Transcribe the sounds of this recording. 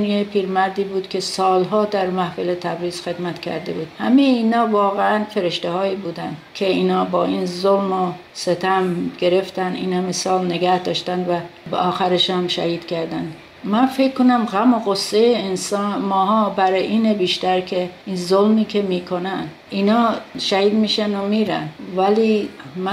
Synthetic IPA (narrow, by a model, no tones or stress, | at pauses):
njepʰiːɾmæɾd̪iːbuːd̪kʲʰe̞sɒːlɦɒːd̪æɾmæhfelet̪ʰæbɾiːz̥xe̞d̪mæt̪cʰæ̰ɾd̪e̞buːd̪̥hæmejeiːnɒːvɒːɣeænfe̞ɾeʃt̪ehɒːiːbuːd̪ænd̪kʲʰe̞iːnɒːbɒːʔiːnzolmo | se̞t̪ʰæmɡe̞ɾe̞ft̪ænd̪ḭːnhæmesɒːlneɡæhd̪ɒːʃt̪ænd̪væbḛʔɒːxæɾeʃæmʃæ̰hiːd̪̥kʰæɾd̪ænd̪ | mænfekkːonæmɣæmoɣosːejeːnsɒːnmɒːɦɒːbæɾeʔiːnebiːʃt̪æɾkʰeinzolmiːkʰe̞miːkʰonænd̪ | ʔiːnɒːʃæhiːd̪miːʃænomiːɾæ̰nvæliːmæ